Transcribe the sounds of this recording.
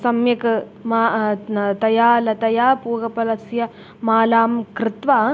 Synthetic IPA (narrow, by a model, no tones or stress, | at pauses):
sɐmjɐkɨ | maːt̪ɐjaːlɐt̪ɐjaːpuːɣɐpɐlɐsjɐ | maːlaːmkɾɪt̪ʋaː